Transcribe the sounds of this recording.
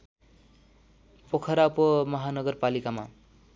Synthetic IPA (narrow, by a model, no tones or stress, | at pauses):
pokʰʌɾaupomʌɦanʌɡʌrpalikama̰